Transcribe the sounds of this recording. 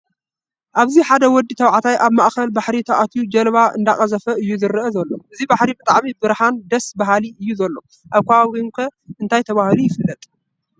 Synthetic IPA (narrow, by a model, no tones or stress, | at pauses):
ʔaβziħad̪ɐwɔd̪ːit̪ʰɐwʕat̪ʰajʔaβmaʔxɐlbaħɾit̪ʰaʔat̪ʰjud͡ʒɐlβaʔɨ̰nd̪aχʼɐzɐfɐɨjːuzɨɾɨʔɐzɐlːo̞ʔɨzibaħɾibɨt̪ʼaʕmibɨɾħand̪ɐsbaɦaliʔɨjːuzɐlːo̞ | ʔaβkʷʰaainkʰɐɨnt̪ʰajt̪ʰɐβahɨlujɪfɨlːɐt̪ʼ